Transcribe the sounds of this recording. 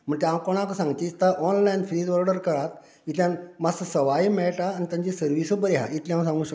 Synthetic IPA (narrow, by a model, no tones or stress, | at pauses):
m̤əɳt̪eamkoɽ̃akəsãŋɡt̪eit̪aʔɔnlainfɾid͡zʋəɾɖəɾkəɾat̪ | it̪lʲjãnmasəsəʋaimɛʈaːnit̪jãɲd͡ʑisəɾʋisobəɾeɦa̰it̪lĩamsãŋɡũːɕək